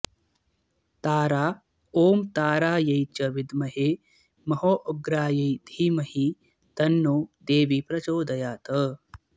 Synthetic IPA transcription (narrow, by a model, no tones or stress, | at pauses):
t̪aːɾaː | oːmt̪aːɾaːjɐjt͡ʃɐʋɪd̪mɐɦeː | mɐɦoːʔoɡɾaːjɐjd̪ʱiːmɐhi | t̪ɐnːoːd̪eːʋipɾɐt͡ʃoːd̪ɐjaːt̪ə